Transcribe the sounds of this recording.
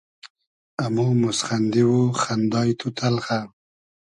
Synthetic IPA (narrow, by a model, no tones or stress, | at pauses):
amumʊsχand̪iwoχand̪ɑjt̪ʰut̪ʰalχa